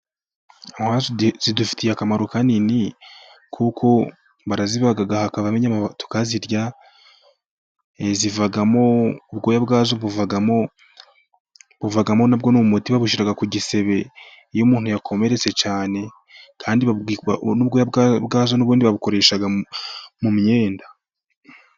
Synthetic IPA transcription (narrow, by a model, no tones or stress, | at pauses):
ahazz̥idufi̥tʰijakamaɾukanini | kʰukʰo̞ | βaɾazivaɡaɡahakaβameɲamatu̥kaziɾɟa | ezivaɡamo̞uβɡo̞ːjabɡaːzoβuvaɡamo̞ | βuvaɡamo̞nabɡo̞nuumutiβaβuʃiɾaɡakuɟise̞βe̞ | ijomuːn̥hujakʰo̞me̞ɾe̞t͡se̞t͡ʃaːne̞ | kʰaːndiβanuβɡojabɡabɡaːzonuβuːndiβaβuko̞ɾe̞ːʃaɡamumie̞ːnda